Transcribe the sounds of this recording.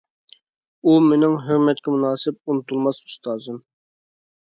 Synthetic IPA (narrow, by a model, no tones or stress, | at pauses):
umenɪŋɦøɾmɛt̪̚kʲɛmunɑːsɪp̚unɨt̪ʰulˠmɑsy̥st̪ɑːzɨm